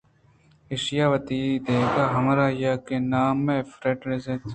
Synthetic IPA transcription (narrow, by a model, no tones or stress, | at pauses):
eʃijaːʋɐt̪iːid̪eːɡaːɦɐmɾaːjaːkenaːmːẽːfɾeʈɾezet̪